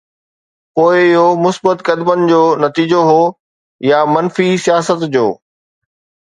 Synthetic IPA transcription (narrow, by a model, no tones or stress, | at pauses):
poːɪɪɦomʊsbət̪kɐd̪mənɪ̆d͡ʑoːnɐt̪iːd͡ʑoɦoː | jamɐnfisijaːsət̪d͡ʑo̰ː